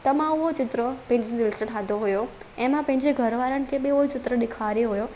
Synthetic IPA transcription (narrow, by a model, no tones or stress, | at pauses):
t̪əmãɦot͡ʃɪt̪ɾəpɐ̃ɦɪ̃d͡ʒ̃d̪ɪlsəʈʰad̪ʱoɦujoemãpɐ̃ɦɪ̃ɲd͡ʒeɡʱəɾʋaɾənɪ̆kʰebeuot͡ʃɪt̪ɾəɗ̪ɪkʰaɾjoɦojo